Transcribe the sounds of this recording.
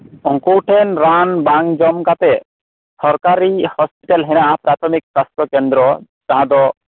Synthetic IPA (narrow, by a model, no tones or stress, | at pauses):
ɔŋkoʈʰenɾanbaŋd͡ʑɔmkat̪e | sɔɾkaɾihɔspiʈalɦenapɾat̪ʰomiksast̪ɾɔkend̪ɾɔ | d͡ʒaad̪ɔ